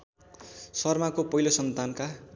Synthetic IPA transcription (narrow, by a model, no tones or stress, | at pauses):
sʌrmakopʌɦilosʌnt̪anka